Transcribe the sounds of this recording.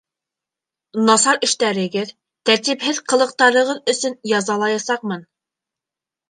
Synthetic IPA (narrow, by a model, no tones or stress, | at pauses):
nɑsɑɾɘ̆ʃt̪æɾɘ̆ɡɘð | t̪æɾt̪iphɘðqɤ̆lˠɤ̆q̚t̪ɑɾɤ̆ʁɤðɵ̆sɵnjɑzɑlˠɑjɑsɑq̚mɤn